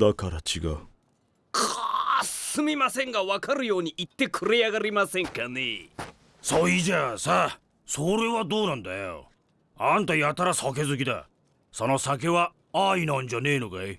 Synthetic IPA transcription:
nakʰaɾat͡ɕʰiɡa̰ | kasɯmimaseŋɡawakʰaɾijoniʔit̪ːekʰɯɾejaɡaɾimaseŋkʰani | sʰɔid͡ʑeasa | sʰoɾewat̪onand̪ajo̰ | ant̪ʰajat̪ʰaɾasʰʌkʰes̬uɡid̪a̰ | sʰʌnɔsakʰewa | ainand͡ʑʌnenuɡaj

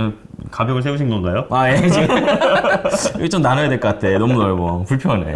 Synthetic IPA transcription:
kabjʌɡɯɭs̬ʰeuɕʰinɡʌnɡajoajed͡ʑi | iɡet͡ɕomnanɯjadweɭk͈ʌk͈at̚tʰe̞nʌmunʌɭɡopuɭpʰjʌnḛ

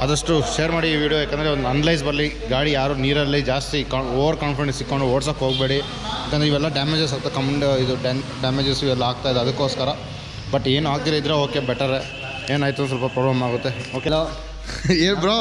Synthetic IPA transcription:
ɐd̪ɐʂʈuʃeːɾmaːɽiːʋiːɽijojaːkːend̪ɾeond̪ɐnlɐjs̬bɐɾli | ɡaːɽijaːɾuniːɾɐlːid͡ʒaːst̪ikːoːʋɐɾkaːnfiɾẽsikːoɳɖuɐːʈsaːpɦoːɡbe̞ːɽi | jaːkːend̪ɾeiʋɛlːɐɖaːmed͡ʒes̬aːɡut̪ːekɐmɐɳɖid̪uɖɖaːmeːd͡ʒesiʋɛlːɐaːɡ̚t̪ajd̪eɐd̪ɐkːoːskɐɾɐ | bɐʈːe̞ːnuaːɡ̚t̪iːlɐid̪ːɾeoːkebɛʈːɐɾe | eːnaːjt̪us̬ɐlpɐpɾoːblɐmaːɡut̪ːeoke | eːbiɾo

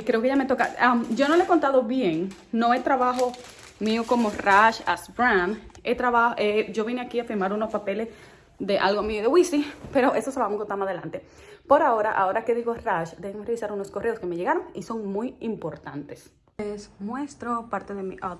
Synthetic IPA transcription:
ikɾeokeejame̞t̪okaamɟ͡ʝo̞noleeko̞nt̪aðo̞βje̞ŋ | no̞et̪ɾaβaɦo̞ | mioko̞moraʃaspɾãmet̪ɾaβahoʔed͡ʒo̞βjeneakiafiɾmaɾunospape̞le̞s | ðe̞ʔa̰lɣomioðewisipe̞ɾo̞ʔe̞soseoamokot̪amaðelant̪e̞ | po̞ɾao̞ɾaʔao̞ɾake̞ðiɣo̞raʃd̪eemosreisaɾuno̞sko̞reoske̞me̞ʝe̞ɣaɾo̞ŋiso̞ŋmujimpo̞ɾt̪ant̪e̞s | esnwest̪ɾopaɾt̪eðemiʔa

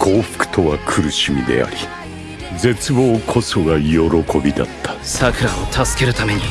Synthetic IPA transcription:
kʰo̞ːɸɯ̥kɯ̟̥t̪o̞βakʰɯ̟ɾɯ̟ɕimʲid̪e̞̰a̰ɾʲi | d͡ze̞t͡sɨbo̞ːkʰo̞so̞ɡajo̞ɾo̞ko̞bʲid̪a̰t̪ʰːḁsakɯ̟ɾaot̪ʰasɨ̥ke̞ɾɯ̟t̪ame̞ɲ̟i

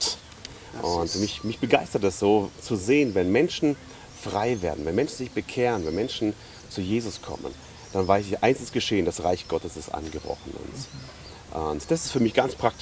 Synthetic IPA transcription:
ʔʊntmɪçmɪçb̥əɡaɪstɐtɛsz̥oːt͡suzeːənvɛnmɛnʃn̩ | fʁ̥aɪveːɐdn̩vɛnmɛnʃn̩zɪçb̥əkʰeːʁənvɛnmɛnʃn̩ | t͡sujeːzʊskʰɔ̰mə̰n | d̥anvaɪs̬ɪçʔa̰ɪnsɪstɡ̥əʃeːəndasʁaɪçɡ̥ɔtəsɪstʔa̰nɡəbʁɔ̰χn̩ʊ̰nt | ʔʊntd̥asɪ̥stfyːɐmɪçɡ̥ant͡spʁ̥ak̚t

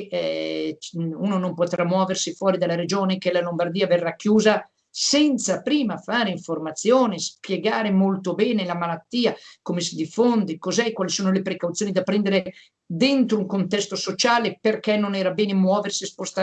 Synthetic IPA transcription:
ɛ | uːnonompot̪ɾamːwɔːversifwɔːɾid̪alːaɾed͡ʒoːnekelalombard̪iːaverːakːjuːza | sɛnt̪sapɾiːmafaːɾeiɱformat̪sːjoːnespjeɡaːɾemolt̪obɛːnelamalat̪ːiːakomesid̪ifːond̪ekozɛkwaːlisoːnolepɾekawt̪sjoːnid̪apɾɛnd̪eɾe | d̪ɛnt̪ɾouŋkont̪ɛst̪osot͡ʃaːleperkɛnːonɛːɾabɛːnemwɔːversispost̪a

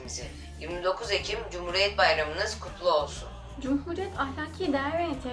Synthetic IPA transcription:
izɪ | jiɾmid̪o̞kʰuze̞cʰimd͡ʒumhuːɾijɛt̪̚bajɾamɯnɯz̥kʰup̪ʰlˠuo̞lˠsun | d͡ʒumɦuːɾijɛt̪ʰahlʲaːcʰiːd̪æɾveet̪ʰɛ

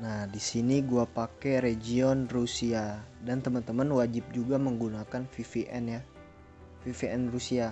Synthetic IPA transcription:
nahdisiniɡuapakɛɾed͡ʒiɔnrusiadant̪əmant̪əmanwad͡ʒɪp̚d͡ʒuɡaməŋɡunakanfifiʔɛnja | fifiɛnrusia

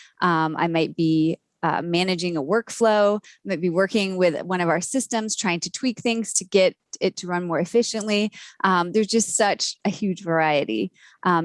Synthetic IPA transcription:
ʔʌ̃mʔa̰ɪmaɪt̚b̥i | ʌ̰mænɨd͡ʒɪ̃ŋəwɜ˞kfloʊaɪmaɪt̚b̥iwɜ˞kɪ̃ŋwɪðwʌ̃ñʌvaʊə˞sɪstɨ̃mz̥tʰɹ̥aɪɪ̃ŋtʰɨtʰw̥ik̚θɪ̃ŋz̥tʰɨɡɛɾ | ɪtʰɨɹʌ̃nmɔɹɨfɪʃɨ̃nʔliʔʌ̃mðə˞zd͡ʒʌstsʌt͡ʃɨhjʉd͡ʒvə˞aɪɨɾḭ | ʔʌ̃

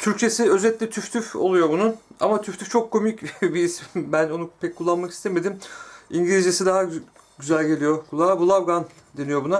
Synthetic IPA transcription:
t̪ʰyɾc̚t͡ʃʰe̞siø̞zɛt̪lʲɛt̪ʰyft̪ʰyfo̰lˠujo̞bunua̰mat̪ʰyft̪yft͡ʃʰo̞kʰːo̞micbiisbæno̞nupʰɛckʰːulˠːanmaki̥st̪ʰeme̞d̪imiɲɟilʲizesid̪aɦa | ɟyzælʲɟe̞lʲijo̞kʰulˠabulˠavɡan | d̪e̞nijo̞buna

